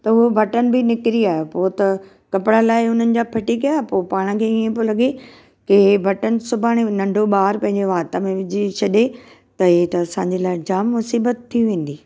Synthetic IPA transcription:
t̪ɐʊɦobʱɐʈənɪ̆bɪnɪkɾiaːɦjopoːt̪ɐ | kɐpɪɽalaːɪʊn̤ənɪ̆d͡ʑaːpʰɐʈikɐjaːpoːpaːɽ̃̆kʰeːiẽbɪlɐɠe | kebʱɐʈənɪ̆sʊbʱaːɽ̃enɐ̃ɳɖʱoɓaːɾpɐ̃ɦɪ̃ɲd͡ʑeʋaːt̪amẽʋɪd͡ʑit͡ɕʰɐɗe | t̪ɐɦit̪ɐːsãːɲd͡ʑelaːɪd͡ʑaːmːʊsiːbət̪ʰːiʋẽːn̆d̪iː

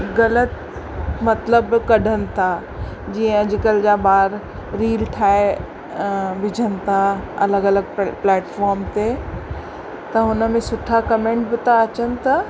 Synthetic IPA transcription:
ɣɐlət̪ | mɐt̪ləbkɐɖʱənɪ̆t̪ʰa | d͡ʑiːə̃ɐd͡ʑɪkəld͡ʑabaːɾ | ɾiːlʈʰaːe | bɪd͡ʑʱənɪ̆t̪ʰaɐ̰ləɡɐləɡ̚plɛːʈfɔːɾmt̪e | t̪ɐɦʊnə̆mẽsʊʈʰakɐmẽːɳʈbɪt̪aɐt͡ɕənɪ̆t̪ɐ

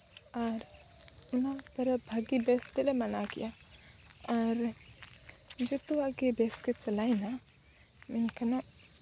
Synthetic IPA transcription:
aɾʊnãpɐɾɐbʱaɡibeːst̪elemɐnakḭja | aɾ | d͡ʒot̪uaɡebeːsket͡ʃɐlaːina | menkɐna

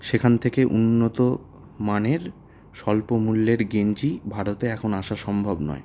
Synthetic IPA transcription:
ʃekʰant̪ʰekeʔunːot̪o | maneɾ | ʃɔlpomulːeɾɡend͡ʑibʱaɾot̪eɛkʰonaʃaʃɔmbʱobnɔ̰e

